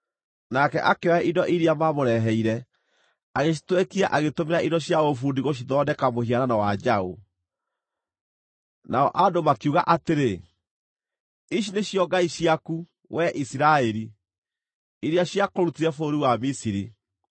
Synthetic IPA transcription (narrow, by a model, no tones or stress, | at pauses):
nakɛ̰ʔakeɔɛʔidɔʔiɾiamamoɾɛɦɛiɾɛ | aɣeɕ̬i̥twɛkiaʔaɣetomeɾaidɔɕjaofuːndiɣoʃ̬iðɔdɛkamoɦiaɾanawad͡ʒao | naɔʔadomakuɣaʔateɾe | iʃineɕjɔɡaiɕiaku | wɛʔisiɾaɛɾi | iɾiaɕjakoɾutiɾɛfoːɾiwamisiɾi